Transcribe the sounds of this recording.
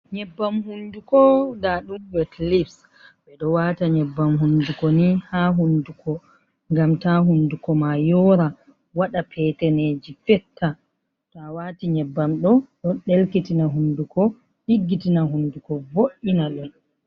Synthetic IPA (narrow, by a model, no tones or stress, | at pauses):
ɲɛbːamhundukɔdaɗubɛtlifs | ɓɛɗɔwataɲɛbːamhundukɔnihaɦundukɔ | ŋɡamtaɦundukɔmajɔɾa | waɗapʰɛtɛneːd͡ʒifɛtʰːa | tawaːtiɲɛbːamɗɔɗɔɗelkitinaɦundukɔ | ɗiɡːitinaɦundukɔvoʔːinaɗɔn